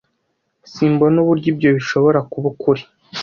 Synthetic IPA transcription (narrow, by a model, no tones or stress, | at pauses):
siːmbonuβuɾɟibɟo̞βiʃo̞βo̞ɾakuβukuɾi